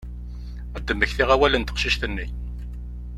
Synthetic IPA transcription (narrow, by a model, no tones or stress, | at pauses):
æd̪ːəmːəçθiʁæwælənt̪ə̥qʃiʃtθənːi